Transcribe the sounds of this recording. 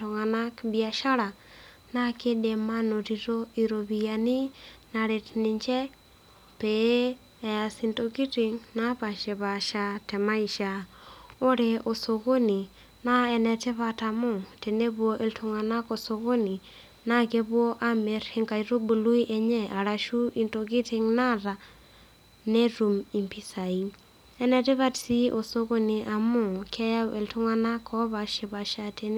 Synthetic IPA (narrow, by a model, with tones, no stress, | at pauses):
to˨ŋa˨na˦kbia˨ʃa˦ɾa˨ | na˦ke˦de˨ma˦no˨ɾi˨ɾo˦i˨ɾo˨βijani˦na˨ɾe˨tini˨ɲt͡ʃɛ˦ | pe˦˨ | a˨si˨ntoki˦ti˦ŋna˦βa˨ʃe˨βa˨ʃa˨te˨ma˦iʃa | o˦ɾeʔo˨so˨ɣo˦ni˨ | na˦ɛ˨nɛ˨te˦βa˨ta˨mo˦te˨ne˦bwo˦ʔe˨ltʰu˨ŋa˨na˦ko˨so˨ɣo˦ni˨ | na˦ke˦bwɔ˦ʔa˦me˨ɾhe˨ŋka˨jɾo˦bu˨lu˦i˦ʔɛ˨ɲɛ˦a˨ɾa˨ʃu˦i˨nto˨ki˦tɪ˨˦ŋna˦ɾa˨ | ne˦ɾu˨mi˨mpi˦sa˨i˦ | ɛ˨nɛ˨te˦βa˦tsi˦ʔo˨so˦ɣo˦ni˨ʔa˨mʊ˦˨kʰɛ˦ja˦wʔe˨ltu˦ŋa˦na˦kʰɔ˦βa˨ʃe˨βa˨ʃa˨te˦n˦